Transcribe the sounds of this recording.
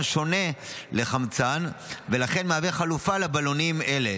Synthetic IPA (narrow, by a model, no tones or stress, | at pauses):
ʃo̞ne̞le̞χamt͡sanve̞laχe̞nmaaveχalufalabalo̞nime̞le